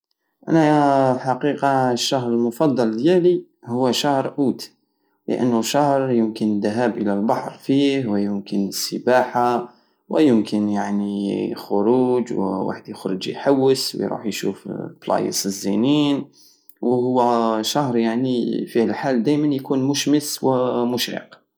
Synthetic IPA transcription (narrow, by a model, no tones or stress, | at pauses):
ʔæ̰nælħaqiqɑʃːaɦɾˤəlmʊfɑd̪ˤːɑld̪jæli | hʊwːæʃahɾˤʔuːt̪ | lə̰ʔə̰nːʊʃɑhɾˤjəmkənd̪æɦæbʔəlælbɑħɾˤfihwjʊmkənsːəbaħa | wəjəmkənjaʕnixʊɾuːd͡ʒw̰wa̰ħəd̪jəxɾəd͡ʒjħawːəsw̰jɾṵːħjʃṵfplɑ̰jə̰səzːinin | wɦʊwːæʃahɾˤjaʕnifihəlħald̪æjmænjkuːnmʊʃməswmʊʃḭq